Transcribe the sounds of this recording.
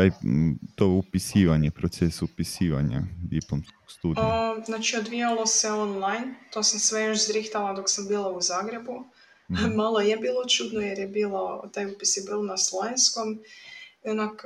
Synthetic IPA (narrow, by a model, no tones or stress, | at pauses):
ajt̪oupisiːʋaɲepɾot̪sesupisiːʋa̰ɲa̰ʋjiplˠomskokst̪uːd̪znat͡ʃiod̪ʋijalˠo̞seo̞nlˠajnt̪o̞ːsamsʋe̞joʃzɾixt̪alˠad̪o̞ksambiːlˠauzaːɡɾe̞bu | malˠo̞jebiːlˠo̞t͡ʃuːd̪nojeɾjebiːlˠot̪ajupisjebiːlonaslˠoensko̞mionak